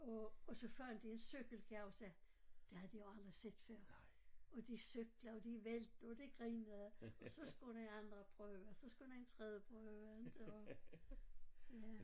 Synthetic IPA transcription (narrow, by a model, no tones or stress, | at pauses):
ɒːsɒ̽fɶɐ̰nd̥iensøɡ̥əl̩ɡ̥ʰæʊsæ | d̥e̝hæd̥ijoɑ̈ld̥ʁised̥fɶɐ̰ | ɒd̥isøɡ̥lɐɒd̥iʋeld̥̚n̩ɒd̥eɡ̥ʁiːnəðˠɒ̽sɒ̽sɡ̥udeɑnd̥ʁɐpʰʁœːʊsɒ̽sɡ̥ud̥æent͡sʰʁɛðˠjəpʰʁœʊʊæ̥ɒ | jæ